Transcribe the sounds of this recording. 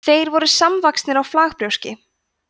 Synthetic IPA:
θejɾvɔɾʏsamvakst̪nɪɾawflaːxpɾjowscɪ

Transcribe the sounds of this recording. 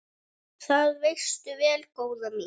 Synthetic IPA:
θaðvejst̪ʏvɛːlkoːwðami

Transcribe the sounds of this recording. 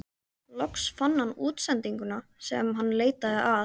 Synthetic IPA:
lɔksfanːhanːuːt̪sɛnt̪iŋkʏnasɛ̰mɦanːleːjt̪aðɪʔa

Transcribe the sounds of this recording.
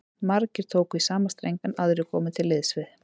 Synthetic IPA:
maɾcɪɾ̥t̪ʰoːwkisaːmast̪ɾejŋkanaðɾɪkʰɔːmɪt̪ʰɪlːɪðsvɪð

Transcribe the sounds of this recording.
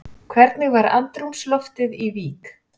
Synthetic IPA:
kʰvɛɾt̪nɪɣvaɾa̰nt̪ɾumslɔft̪ɪðiviːk

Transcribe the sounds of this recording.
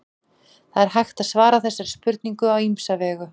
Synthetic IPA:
θaðɛɾ̥ɦajxt̪aðsvaːɾaθɛsːaɾ̥spʏɾt̪̚niŋkʏawimsavɛːɣʏ

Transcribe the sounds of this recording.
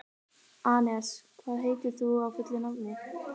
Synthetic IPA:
aːnɛskʰvaðɦeːjt̪ʏ̥θuawfʏt̪lɪnavmɪx

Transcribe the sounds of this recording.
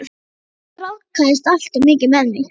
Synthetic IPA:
ɾawkʰast̪al̥t̪ʏmɪːcɪmɛðnɪ

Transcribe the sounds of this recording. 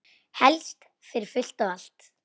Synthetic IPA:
hɛlst̪ | fɪɾɪɾ̥fʏl̥t̪awal̥t̪

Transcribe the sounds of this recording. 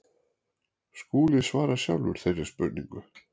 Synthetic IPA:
skuːlɪsvaːɾasja̰wlvʏ̰ɾ̥θejrːɪɾ̥spʏɾt̪niŋkʏ

